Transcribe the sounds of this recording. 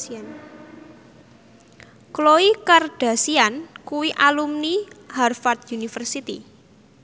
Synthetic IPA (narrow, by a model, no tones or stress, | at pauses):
an | kloikarɖ̥a̤siankuwiʔalumniharfart̪̚junifərsit̪ḭ